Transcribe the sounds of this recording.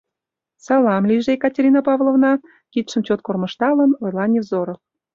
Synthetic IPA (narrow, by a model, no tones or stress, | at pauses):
sɑlɑmlʲiʒejkɑtʲeɾʲinɑpɑvlˠovnɑ | kit̪ʃəmt͡ɕot̪̚kormə̆ʃt̪ɑlənojlˠɑnʲevzoɾof